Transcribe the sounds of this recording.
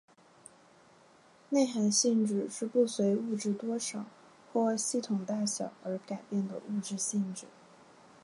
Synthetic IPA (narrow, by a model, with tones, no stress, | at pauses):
ne˥˩ɪxa˧˥nɕi˥˧nʈ͡ʂɻ̩˥˩ʂɻ̩˥˧pu˥˩swe˧˥ɪu˥˧ʈ͡ʂɻ̩˥˩t̪wɔ˥ʂɑ˨˩˦ʊ | xwɔ˥˧ɕi˥˩t̪ʰʊ˨˩ŋt̪a˥˩ɕjɑ˨˩˦ʊə˞˧˥ka˨˩ɪpjɛ˥˩nd̪ə̰˩u˥˧ʈ͡ʂɻ̩˥˧ɕi˥˩nʈ͡ʂɻ̩˥˩˦